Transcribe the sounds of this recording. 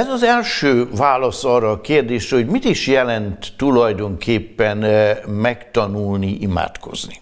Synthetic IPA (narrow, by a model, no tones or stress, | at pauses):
ɛzɒzɛlʃøːvaːlɒsɒːrɒːkeːrd̪eːʃrɛo̞ɟmit̪iʃjɛlɛnt̪ːulɒjd̪o̞ŋkʰeːpːɛnmɛkt̪ɒnulniʔima̰ːt̪ko̞̰zni